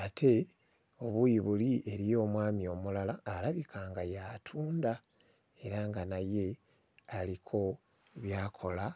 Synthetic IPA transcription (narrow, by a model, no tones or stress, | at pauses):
atʰe̞ | o̞βujiβulie̞ɾijo̞ːmwaːmio̞mulalaːɾaβikʰaːŋɡajatʰuːnda | e̞ɾaŋɡanaje̞ | alikʰo̞ | βjaːkʰo̞la